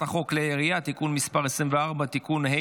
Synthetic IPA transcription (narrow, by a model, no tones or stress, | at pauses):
aχo̞kleeʁijat̪ikunmispaʁesʁimveaʁbat̪ikunhe